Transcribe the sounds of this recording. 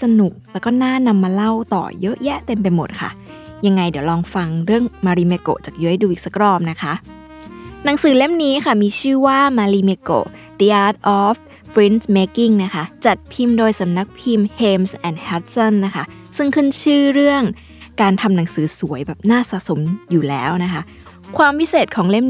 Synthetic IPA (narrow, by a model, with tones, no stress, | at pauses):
sa˧nu˨˩k̚lɛː˧˩wkɔː˥˩naː˥˩na˧mːaː˧la˥˩wt̪ɔ̰ː˨˩jɤ˦˥ʔjɛ˦˥ʔt̪e˧mpa˧jmo˨˩t̪̚kʰa̰˥˩ | ja˧ŋːa˧jdi˨˩˦əwlɔː˧ŋfa˧ŋɾɯ˥˩əŋmaː˧ɾiː˧me˧ko̰˨˩t͡ɕaː˨˩k̚juː˧ʔa˧jduː˧ʔiː˨˩k̚sa˧˦kɾɔː˧˩mna˦˥kʰa˦˥ʔ | na˩˦ŋsɯː˨˩˦le˥˩mniː˦˥kʰa˥˩miː˧t͡ɕʰɯː˥˩waː˥˩maː˧liː˧me˧ko̰˨˩ | t̪i˧ʔaː˧˥t̪̚ʔɔː˦˥f | pʰɾi˦˥nsmeː˦˥ki˥˩ŋna˦˥xʰa˦˥t͡ɕa˨˩t̪̚pʰi˧mdoː˧jsa˩˦mna˦˥k̚pʰi˧mheː˧msʔɛ˨˩nhɛ˦˥t̪̚sɔ˥˩nːa˦˥kʰa˦˥ | sɯ˥˩ŋkʰɯ˥˩nt͡ɕʰɯː˥˩ɾɯ˥˩əŋ | kaː˧nt̪ʰa˧mna˩˦ŋsɯː˩˦su˩˦əjbɛː˨˩p̚naː˥˩sa̰˨˩ʔso˩˦mjuː˨˩lɛ̰ː˦˥wna˦˥kʰa˦˥ | kʰwaː˧mpʰi˦˥seː˨˩t̪̚kʰɔː˩˦ŋle˥˩m